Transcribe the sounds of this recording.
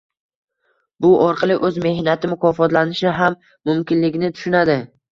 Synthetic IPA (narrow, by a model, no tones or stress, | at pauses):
bʊʔɒɾqʰɑlˠɪʔɵzme̞hnat̪ʰɪmʊkʰɒfɒt̪lanɪʃɪɦamː | ʊmkʲɪnlɪɡʲnɪt̪ʰʊ̥ʃʊnad̪ɪ